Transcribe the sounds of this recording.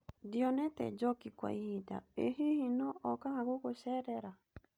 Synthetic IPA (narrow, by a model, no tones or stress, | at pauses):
diɔnɛtɛ̰d͡ʒɔkikwa̰ihida̰ehihinɔʔɔkahaɣoɣosɛɾɛɾa